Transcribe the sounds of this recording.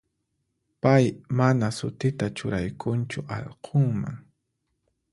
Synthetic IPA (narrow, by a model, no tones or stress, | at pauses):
pajmanasʊt̪ɪt̪at͡ʃʊɾajkʰʊnt͡ʃʊʔɑ̰ʎqʰoŋma̰ŋ